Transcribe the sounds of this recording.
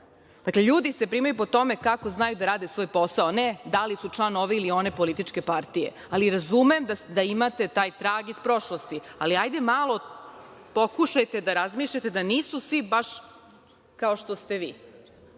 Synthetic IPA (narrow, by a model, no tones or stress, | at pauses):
d̪̥akleʎuːd̪ise̞pɾiːmajupo̞t̪o̞me̞kakoznajud̪aɾaːd̪esʋojpo̞saoned̪alisut͡ʂlˠano̞ʋeilio̞ne̞po̞lit̪it͡ʃke̞paɾt̪ijḛ | aliɾazumemd̪ad̪aimat̪e̞t̪aːjt̪ɾaːɡispɾo̞ʃlost̪ialiajd̪e̞maːlˠo̞ | po̞kuʃajt̪e̞d̪aɾazmiːʃʎat̪e̞d̪aniːsusʋibaʃ | kaoʃt̪o̞st̪e̞ʋiː